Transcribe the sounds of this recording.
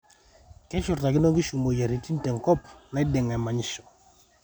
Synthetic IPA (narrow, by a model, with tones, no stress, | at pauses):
kɛ˦t͡ʃʊ˨ɾta˨kɪ˦no˦ɡɪ˦ʃu˨mo˨ja˨ɾi˨ti˦n˦tɛ˨ŋkɔ˦pna˦ɪ˦dɛ˨ŋa˨ma˨ɲɪ˦ʃɔ̥˨